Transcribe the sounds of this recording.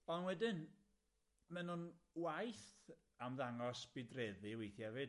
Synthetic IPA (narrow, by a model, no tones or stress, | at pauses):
ɔnwɛdɪn | mɛnʊnwajθ | amðaŋɔsb̥ɪdrɛðɨwejθjavɨ